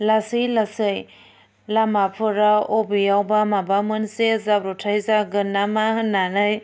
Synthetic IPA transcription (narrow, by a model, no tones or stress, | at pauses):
lasilasɯj | lamapʰɯɾaobijawbamabamɯnsezabɾotʰajzaɡɯnamahɯnːanɯj